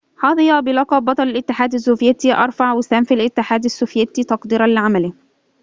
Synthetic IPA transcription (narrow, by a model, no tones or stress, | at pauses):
ħɑːðˤjɑbɪlɑqɑbɑt̪ˤɑlɪlʔɪt̪ːɪħaːd̪asːoːfjæt̪iʔɑ̰ɾˤfaʕwɪsæmfalʔɪt̪ːɪħaːd̪asːoːfjet̪it̪ɑqd̪iːɾɑnlɪʕamælɪ